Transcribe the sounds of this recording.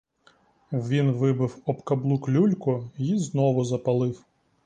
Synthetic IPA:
ʋʲinʋɪbɪwɔbkɐblˠuklʲulʲkʊjiznɔʋʊzɐpɐlˠɪw

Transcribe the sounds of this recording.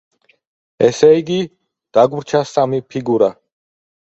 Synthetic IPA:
ɛsɛiɡi | d̪̥aɡuɾt͡ʃʰasamipʰiɡuɾa

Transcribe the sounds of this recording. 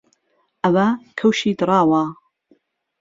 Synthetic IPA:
ʔɐwɐkʰɐwʃiːd̪ɨɾˤɑːwa

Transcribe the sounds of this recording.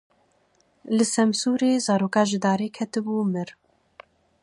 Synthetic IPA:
lɨsɛmsuːɾeːzɑːɾoːkɑːʒɨd̪ɑːɾeːkʰɛt̪ɨbuːmɨɾ

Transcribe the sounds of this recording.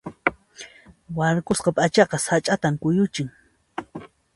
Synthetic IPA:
waɾkosqɑpʼat͡ʃɑqɑsat͡ʃʼat̪amkʊjʊt͡ʃɪŋ

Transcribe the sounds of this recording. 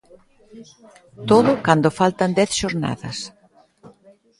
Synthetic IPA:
t̪oðʊkand̪ʊfalt̪ɐnd̪ɛθʃoɾna̰ðɐ̰s

